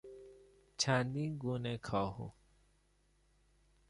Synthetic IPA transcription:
t͡ʃʰãːnd̪iɡuːnẽkʰaːɦṵ

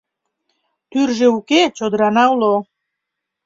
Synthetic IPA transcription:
t̪yrʒeuket͡ɕod̪əɾɑnɑulo

